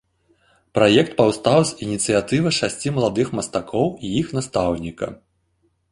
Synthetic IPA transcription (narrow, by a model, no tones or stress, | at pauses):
pɾajɛkt̪̚pawst̪awzʲinʲit̪sɨjat̪ɨvɨʂasʲt͡sʲimɐlˠad̪ɨxmɐst̪akʰɔwijixnast̪awnʲikɐ̰